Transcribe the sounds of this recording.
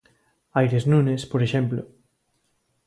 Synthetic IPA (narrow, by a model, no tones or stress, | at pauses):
ajɾeznunespoɾeʃemplo